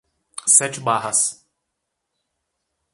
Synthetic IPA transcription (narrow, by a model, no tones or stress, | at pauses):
sɛt͡ʃɪbaɦɐs